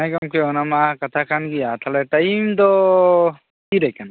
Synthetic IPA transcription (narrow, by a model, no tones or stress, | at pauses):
ajkamkʰɛɔnamakatʰakʰanɡijat̪ʰalɛtajimdɔ | kidajkʰan